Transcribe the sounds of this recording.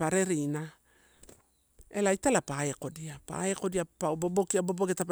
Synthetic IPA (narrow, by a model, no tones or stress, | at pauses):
aɾe̞ɾina | e̞lajtalapaeko̞diapa̰eko̞diapaobobokiaboboɡetap